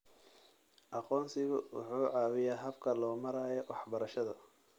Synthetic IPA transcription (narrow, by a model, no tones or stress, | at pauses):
ʔɑqɔːnsɪɣʊwʊ̰ħuːʕɑːwɪjaɦɐbkʰɐlɔːmɐɾaːjɔwɑħbɐɾɐʃɐðɐ